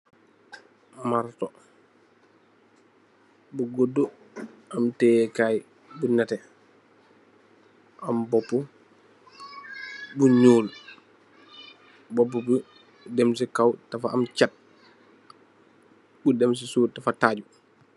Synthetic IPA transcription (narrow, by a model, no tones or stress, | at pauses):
maɾtɔ | buɡodːo | amtekaj | bunɛtɛ | ʔambɔpːu | buɲuːl | bɔp̬ːubu | dɛmsikawtafaːmt͡ʃat̚ | budɛms̬isuːtafataːɟu